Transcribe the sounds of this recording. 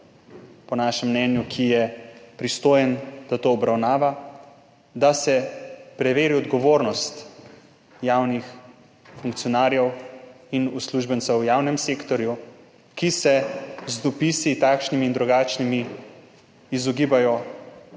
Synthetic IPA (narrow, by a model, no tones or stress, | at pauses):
pɔnaʃɛmːnɛnjukʰijɛpɾist̪oːjɛnd̪̥at̪oːbɾawnaːʋa | d̪asɛpɾɛʋeːɾiɔd̪ɡɔʋoːɾnɔst̪ | jaːwnix | fuŋk̚t̪sijɔnaːɾjɛw | inusluʒbənt̪sɛwjaːwnɛmsekt̪ɔɾju | kisɛzd̪ɔpisit̪akʃnimiːnd̪ɾuɡaːt͡ʃnimiː | zɔɡiːbajɔ